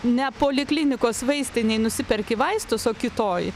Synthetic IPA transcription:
nʲɛpoːlʲɪklʲɪnʲɪkoːsʋɐɪsʲt̪ʲɪnʲɛɪnʊsʲɪpʲɛɾʲkʲɪʋɐɪst̪ʊsoːkʲɪt̪oːj

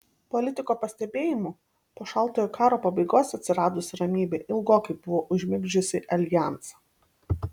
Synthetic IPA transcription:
pɔlʲɪt̪ʲɪkoːpɐsʲt̪ʲɛbʲeːjɪmu | poːʃɑˑlˠt̪oːjoːkɑːɾoːpɐbɐɪɡoːsɐt̪ʲsʲɪɾɑːd̪ʊsʲɾɐmʲiːbʲeʔɪlˠɡoːkɐɪbʊʋoːʔʊʒʲmʲɪɡʲd͡ʒʲʊsʲɪʔɐlʲjæˑnsɐ̥

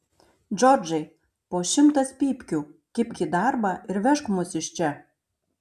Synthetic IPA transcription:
d͡ʒɔrd͡ʒɐj | poːʃʲɪmt̪ɐspʲiːpʲkʲukʲɪpʲkʲid̪ɑrbɑʔɪɾʋʲæʃkmʊsɪʃt͡ʃɛ

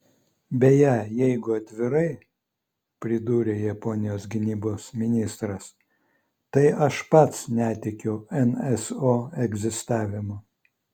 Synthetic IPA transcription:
bʲɛjæːjɛɪɡʊɐt̪ʲʋʲɪɾɐɪ | pʲɾʲɪd̪uːɾʲeːjɛpɔnʲɪjoːsɡʲɪnʲiːboːsmʲɪnʲɪst̪ɾɐs | t̪ɐɪɐʃpɐt̪snʲæːt̪ʲɛkʲɛʊɛnɛsoːɛɡzʲɪst̪ɑːʋʲɪmoː

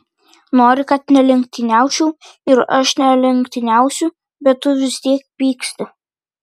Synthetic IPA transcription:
noːɾʲɪkɐt̪nʲɛlʲɛŋk̚ʲt̪ʲɪnʲæˑʊt͡ʃʲuː | ɪɾɐ̰ʃnʲɛlʲɛŋkt̪ʲɪnʲæˑʊsʲʊ | bʲɛt̪tːʊʋʲɪst̪ʲiɛk̚pʲiːksʲt̪ʲɪ

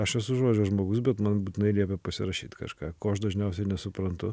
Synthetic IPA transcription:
ɐʃɛsʊʒoːd͡ʒʲoːʒmoːɡʊs̬bʲɛt̪mɐnbuːt̪ʲɪnɐɪlʲiɛp̬ʲɛpɐsʲɪɾɐʃʲiːt̪kɐ̰ʃkɑːkoːɐʃd̪ɐʒʲnʲɛʊsʲɛɪnʲɛsʊpɾɐnt̪ʊ

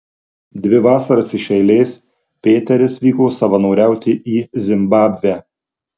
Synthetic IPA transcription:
d̪ʲʋʲɪʋɑːsɐɾɐsɪʃʲɛɪlʲeːs | pʲeːt̪ʲɛɾʲɪsʋʲiːkoːsɐʋɐnɒʊɾʲæˑʊt̪ʲɪʔiːzʲɪmbɑːbʲʋʲæ

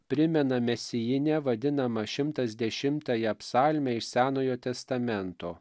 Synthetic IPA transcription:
pʲɾʲɪmʲɛnɐmʲɛsʲɪjɪnʲɛʋɐd̪ʲɪnɐmɐʃʲɪmt̪ɐsʲd̪ʲɛʃʲɪmt̪ɑjɛɐpsɑːlʲmʲɛɪʃsʲæːnoːjoːt̪ʲɛst̪ɐmʲɛnt̪oː

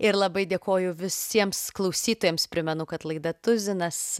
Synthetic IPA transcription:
ɪɾlˠɐbɐɪd̪ʲeːkoːjʊʋʲɪsʲiɛmsklˠɐʊsʲiːt̪oːjɛːmspʲɾʲɪmʲɛnʊkɐt̪lˠɐɪd̪ɐt̪ʊzʲɪnɐs

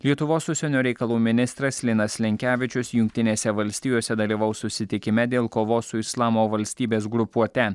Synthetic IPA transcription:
lʲiɛt̪ʊʋoːsʊsʲɛnʲoːɾʲɛɪkɐlˠuːmʲɪnʲɪst̪ɾɐslʲɪnɐslʲɛŋʲkʲæːʋʲɪt͡ʃʲʊsjʊŋʲk̚ʲt̪ʲɪnʲeːsʲɛʋɐlʲsʲt̪ʲijoːsʲɛd̪ɐlʲiːʋɐʊsʊsʲɪt̪ʲɪkʲɪmʲɛd̪ʲeːlˠkoːʋoːsʊɪslˠɑːmoːʋɐlʲsʲt̪ʲiːbʲeːsɡɾʊpuɔt̪ʲɛ

